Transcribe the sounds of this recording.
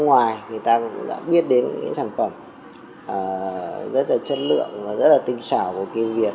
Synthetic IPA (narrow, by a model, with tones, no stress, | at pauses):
ŋwaː˨˩jŋɨ˨˩əjt̪aː˧kʊ̰˧˥˧ɗa̰ː˧˥ɓi˦˥ət̚ɗe˨˦n˧˨a̰ː˨˦saː˧˩ŋfə˧˩m | ʔəː˨˩zə˦˥t̚laː˨˩t͡ɕə˦˧˥t̚lɨ̰˧˨əŋvaː˨˩zə˦˥t̚laː˨˩t̪ï˨˩ŋ̟saː˧˩ku˧˩əki˧wvi˨˩ət̚